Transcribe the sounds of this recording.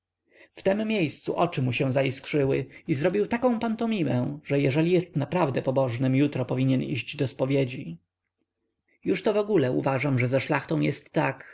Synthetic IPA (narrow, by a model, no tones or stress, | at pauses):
ft̪ɛmːjejst̪sṵʔɔt͡ʂɘmuɕɛ̃w̃zaiskʂɘwɘ̰izɾɔbʲiwt̪akɔ̃w̃pant̪ɔmʲimɛ̃w̃ʐɛjɛʐɛlʲijɛst̪napɾavd̪ɛpɔbɔʐnɛmjut̪ɾɔpɔvʲiɲɛnḭʑd͡ʑd̪ɔspɔvʲjed͡ʑi | juʂt̪ɔvɔɡulɛṵvaʐamʐɛzaʂlaxt̪ɔ̃w̃jɛst̪ːak